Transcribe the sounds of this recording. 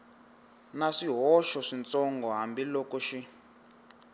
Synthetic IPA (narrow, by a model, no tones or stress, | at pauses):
naʂiɦɔʃɔʂint͡sɔŋɡɔɦambilɔkɔʃi